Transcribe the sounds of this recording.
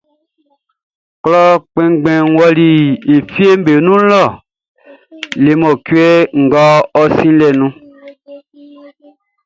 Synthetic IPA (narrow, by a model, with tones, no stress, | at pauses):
klɔ˦k͡pɛ̃˦ŋ˦ɡ͡bɛ̃˨wɔ˦li˨e˨fi˦e˦m̩˦be˨nũ˦lɔ˦˨ | le˨mɔ˨kwɛ˦ŋ̩˨ɡɔ˦ɔ˦sĩ˦lɛ˨nũ˦